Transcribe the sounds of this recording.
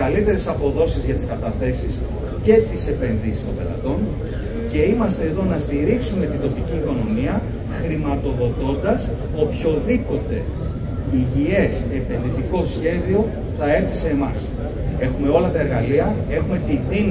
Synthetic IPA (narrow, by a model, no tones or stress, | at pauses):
ɐlit̪e̞ɾe̞sɐpo̞ðo̞sizʝɐt̪i̥skɐt̪ɐθe̞sis | ce̞t̪ise̞pe̞nðisi̥st̪ombe̞̰lɐ̰t̪o̞n | ce̞imɐst̪e̞ːðo̞nɐst̪iɾiksume̞t̪ind̪o̞piciːko̞no̞miɐ | xɾimɐt̪o̞ðo̞t̪o̞nd̪ɐs | o̞pço̞ðipo̞t̪e̞̰ | iʝie̞sepe̞nðit̪iko̞sçe̞ðio̞ | θɐe̞ɾθiseːmɐs | e̞xume̞o̞lɐt̪ɐe̞ɾɣɐliɐ | e̞xume̞t̪iðin